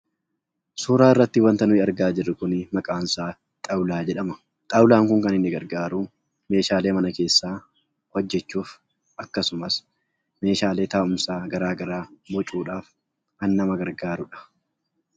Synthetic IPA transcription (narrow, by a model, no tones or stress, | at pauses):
suːɾaːɪrːɐt̪ːɪwɐnt̪ɐnʊɪɐɾɡaːd͡ʒɪrːɪkʊnɪmɐkʼaːnsaː | t̪ʼɐwlaːd͡ʒɛᶑɐmɐ̥ | t̪ʼɐwlaːŋkʊŋkɐnɪnːɪɡɐɾɡaːɾuː | me̞ːʃaːle̞ːmɐnɐke̞ːsːaː | wɔd͡ʒːɛt͡ʃːuːf | ʔɐkːɐsʊmɐs | me̞ːʃaːle̞ːt̪aːʊmsaːɡɐɾaːɡɐɾaːbɔt͡ʃʼuːᶑaːf | kɐnːɐmɐɡɐɾɡaːɾʊᶑɐ̥